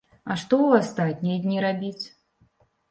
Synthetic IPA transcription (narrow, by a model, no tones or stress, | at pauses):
aʂt̪ɔwast̪at̪ʲnʲijɐdʲnʲiɾabʲit͡sʲ